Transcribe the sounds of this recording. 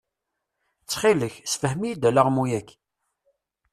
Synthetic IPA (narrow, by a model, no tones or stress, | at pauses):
t͡sːχiləçsfəhmijid̪æləʁmujækː